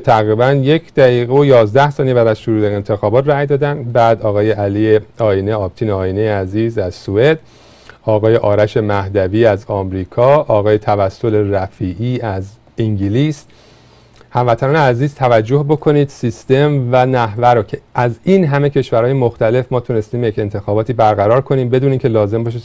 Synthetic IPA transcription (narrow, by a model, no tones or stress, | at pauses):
t̪ʰæɣɾiːbænje̞cʰd̪̥æiːɣeojɒːzd̪æhsɒːnijebæd̪æz̥ʃoɾuːd̪eent̪ʰe̞xɒːbɒːt̪ræjd̪ɒːd̪ænd̪bæːd̪ɒːɣɒːje̞ʔælijeɒːineɒːb̚t̪ʰiːneɒːjinejeæziːzæzsue̞d̪̥ | ɒːɣɒːje̞ʔɒːɾæʃe̞mæhd̪æviːæzɒmɾiːkʰɒːʔɒːɣɒːje̞t̪ʰævæsːo̞le̞ræfiːʔiːæz | iŋɟiliːs | hæmvæt̪ʰænɒːneæziːzt̪ʰævæd͡ʒːo̞hbo̞kʰo̞niːd̪̥sist̪e̞mvænæhvæɾoːcʰe̞ʔæzinɦæme̞cʰe̞ʃvæɾhɒːje̞moxt̪æle̞fmɒːt̪ʰune̞st̪iːmjece̞nt̪ʰe̞xɒːbɒːt̪ʰiːbæɾɣæɾɒːɾkʰo̞niːmbe̞d̪uːniːmcʲʰe̞lɒːze̞mbɒʃ̬i